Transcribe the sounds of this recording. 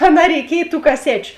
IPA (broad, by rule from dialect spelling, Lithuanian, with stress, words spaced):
ɐˈnɑː rʲɛɪˈkʲiɛj tuː kɐˈsʲæːt͡ʃʲʊ